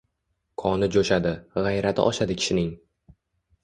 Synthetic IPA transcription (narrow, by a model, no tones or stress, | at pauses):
kʰɒnɪd͡ʒoʃad̪ɪʁajɾat̪ʰɪ̰ʔɒʃad̪ɪkʲʰɪ̥ʃɪnɪŋ